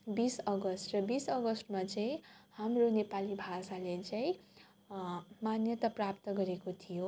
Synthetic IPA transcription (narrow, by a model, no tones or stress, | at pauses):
bisʌɡʌsʈrʌbisʌɡʌsʈmat͡saĩhamronepalibʱasalet͡saĩ | manjʌt̪aprap̚t̪ʌɡʌɾekot̪ʰijo